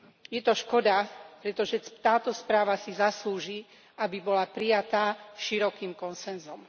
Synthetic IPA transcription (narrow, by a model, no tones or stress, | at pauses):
jɛt̪ɔʃkɔd̪apɾɛt̪ɔʒɛt̪aːt̪ɔspɾaːʋasizasluːʒi | ʔabibɔlapɾijat̪aːʃiɾɔkiːmkɔnsɛnzɔm